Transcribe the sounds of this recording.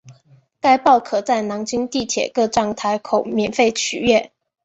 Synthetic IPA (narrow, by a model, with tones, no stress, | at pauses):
ka˥ɪpɑ˥˩ʊkʰɤ˨˩t͡sa˥˩ɪnɑ˧˥ŋt͡ɕi˥ŋt̪i˥˩t̪ʰjɛ̰˨˩kɤ˥˧ʈ͡ʂɑ˥˩ŋt̪ʰa˧˥ɪkʰo˨˩ʊmjɛ˨˩nfe˥˩ɪt͡ɕʰy̰˨˩ɥɛ˥˩n